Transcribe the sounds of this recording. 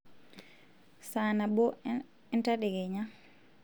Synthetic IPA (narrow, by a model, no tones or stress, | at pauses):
sanabɔ | ɛntaɗɛɡɛɲa